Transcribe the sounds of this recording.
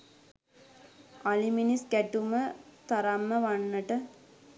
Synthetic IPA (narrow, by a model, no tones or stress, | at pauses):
aliminisɡæʈumət̪aɾamːəʋanːəʈə